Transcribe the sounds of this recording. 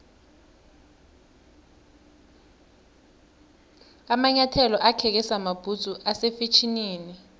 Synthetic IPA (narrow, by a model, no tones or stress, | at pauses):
amaɲatʰɛlɔʔakʰɛk̬ɛsamab̥ʱut͡sʼuʔasefet͡ʃʰiniːni